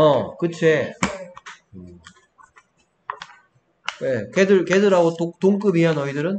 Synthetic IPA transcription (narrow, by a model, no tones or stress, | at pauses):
ʌkɯt͡ɕʰe | ɯ | ekedɯɭkedɯɾaɡototoŋk͈ɯbiɦanʌidɯɾɯn